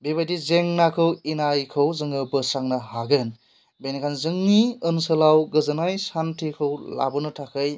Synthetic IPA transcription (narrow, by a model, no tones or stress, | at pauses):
bibajdizeŋnakʰɯwinajkʰɯwzɯŋɯbɯsaŋnɯhaɡɯn | bejnikʰanzɯŋniɯnsɯlawɡɯzɯnajsantʰikʰɯwla̰bɯnɯtʰakʰɯj